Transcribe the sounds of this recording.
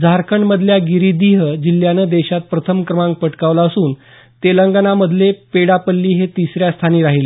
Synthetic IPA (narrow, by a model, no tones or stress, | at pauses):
d͡zʱaɾkəɳɖməd̪ʱljaɡiɾid̪iɦəd͡ʑilːjanəd̪eɕat̪̚pɾət̪ʰəmkɾəmãŋɡ̚pəʈkaʋlaəsuːn | t̪eləŋɡanaməd̪ʱlepeɽapəlːiːɦet̪isɾjast̪ʰaniːɾaɦile